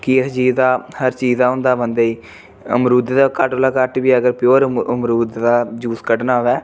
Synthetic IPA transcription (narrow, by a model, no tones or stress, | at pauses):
kid͡ʒiːd̪aːhəɾt͡ʃiːzaːʊ̃nd̪aːbənd̪eːiː | ə̰mɾuːd̪d̪aːkəʈoːlaːkəʈʋiːəɡəɾpɪjoːɾəmɾuːd̪d̪aːd͡ʒuːskəʈnaːʋɛː